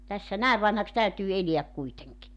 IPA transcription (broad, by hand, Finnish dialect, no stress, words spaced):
tæsːæ næˑeʋ ʋɑnhɑks tæytyː eliæk kuiteŋki